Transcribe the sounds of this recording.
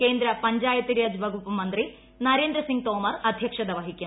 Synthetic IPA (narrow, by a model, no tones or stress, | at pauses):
keːnd̪ɾɐpɐɲd͡ʒaːjɐt̪iɾijɐd͡ʒʋɐɡupumɐnd̪ɾi | nɐɾeːnd̪ɾɐsiŋɡ̚t̪oːmɐɾɐd̪ʱjɐkʂɐd̪ɐʋɐɦikjɐ